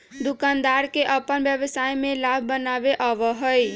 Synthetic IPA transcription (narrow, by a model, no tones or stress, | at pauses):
d̪ukand̪aɾkeʔəpənbjəʋəsajmẽlabʱbənabeʔɔʋɔɦoj